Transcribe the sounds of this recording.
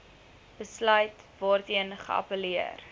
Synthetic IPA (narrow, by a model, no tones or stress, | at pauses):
b̥əslœɥtvɑːrtiənχə̰ɐ̰pəliə̰r